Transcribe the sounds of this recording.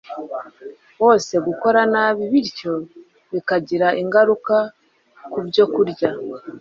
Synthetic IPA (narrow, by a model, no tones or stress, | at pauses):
wo̞ːse̞ɡuko̞ɾanaβiβiɾco̞ | βikaɟiɾaʔiŋɡaɾuka | kuβɟo̞kuɾɟa